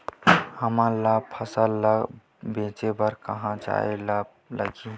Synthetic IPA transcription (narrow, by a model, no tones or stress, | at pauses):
həmalab̚pʰəsəlːəɡ | bẽːt͡ʃebəɾkəɦãt͡ʃa̰elab̚ | lə̰ɡĩ